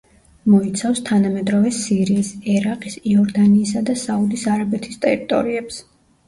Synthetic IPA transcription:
mɔit̪sʰafst̪ʰanamɛd̪ɾɔvɛsiɾiːsɛɾaqʼisiɔɾd̪aniːsad̪asaud̪isaɾabɛt̪ʰi̥st̪ʼɛɾit̪ʼɔ̰ɾiɛps

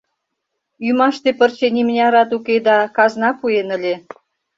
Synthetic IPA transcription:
ymɑʃt̪epərt͡ɕenʲimnʲɑɾɑt̪uked̪ɑkɑznɑpuenə̆lʲe

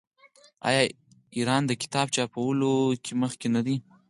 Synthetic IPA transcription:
ɑ̰jɑ | iɾɑnd̪əkɪ̥t̪ɑbt͡ʃɑpawəlokʰeməxkenad̪i

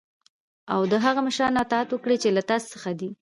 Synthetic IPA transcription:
awd̪əɦaɣamaʃɾɑnːɑt̪ɑat̪wəkɽet͡ʃelat̪ɑssəxad̪i

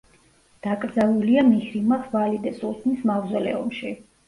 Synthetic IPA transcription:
d̪̥akʼɾd̪zaluliamihɾimaχʰvalid̪ɛsʼut̪ʰnismavzɛlɛ̰ɔ̰mʃi

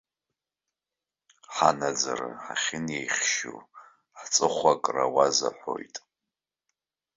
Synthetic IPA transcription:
ħanad͡zaɾa̰ħaχʲɪnjejχʲʃṵ | ħt͡sʼɨχʷakʼrawaza̰ħʷojtʼ

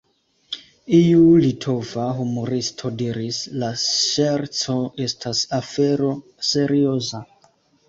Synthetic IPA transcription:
iulitʰo̞vaɦumo̞ɾistʰo̞diɾislaʃeɾt͡so̞e̞stʰasafe̞ɾo̞ | se̞ɾio̞za

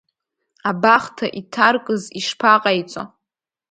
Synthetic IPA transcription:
abaχtʰaʔitʰarkʼɨziʂpʰaqʼajt͡sʷʼo̰

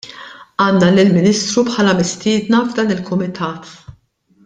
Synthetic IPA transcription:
ɐːnːɐlɪlmɪniːst̪ɾupħɐːlɐmɪst̪ɪːd̪nɐvd̪ɐːnɪlkʊmɪt̪ʰɐːt̪

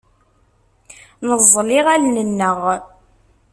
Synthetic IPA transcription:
nəzˤːlɪʁælnənːəʁ

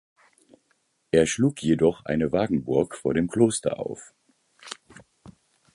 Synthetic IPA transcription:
ʔeːɐʃluːkʰjedɔχʔa̰ɪnəvaːɡŋ̩bʊɐkfoːɐɾeːmkl̥oːstɐ̰ʔa̰ʊf

